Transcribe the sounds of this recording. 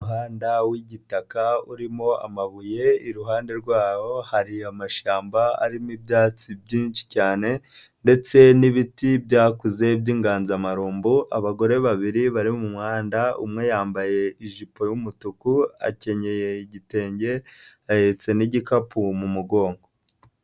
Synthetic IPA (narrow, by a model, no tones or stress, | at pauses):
uɦaːndawiɟitakauɾimo̞a̰maβuje̞iɾuɦaːnde̞ɾɡwaːwo̞haɾiamaʃaːmbaa̰ɾimibjaːt͡sibɟiːnʃi̥caːne̞ | nde̞t͡se̞niβitibjaːkuze̞bjiːŋɡaːnzamaɾuːmbuʔaβaɡo̞ɾe̞βaβiɾiβaɾimmumŋaːndaṵmŋe̞jaːmbaje̞iʒipojumutukua̰ce̞ɲe̞je̞ɟite̞ːɲɟe̞ | ajet͡se̞niɟikapumumuɡo̞ːŋɡo